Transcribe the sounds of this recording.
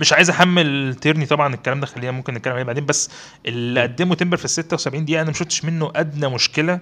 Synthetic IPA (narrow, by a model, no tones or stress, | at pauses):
meʃʕaːjezʔæħamːelt̪eɾnit̪ˤɑbʕɑnekːælæːmd̪æxælːiːjæmomkenːet̪kælːemʕaeːbaʕd̪eːmbæsː | ʔeliʔæd̪ːemoet̪embeɾfisːet̪ːæwsæbʕiːnd̪ejːæʔænæmæʃoft̪ːʃmenːoʔæd̪næmoʃkelæ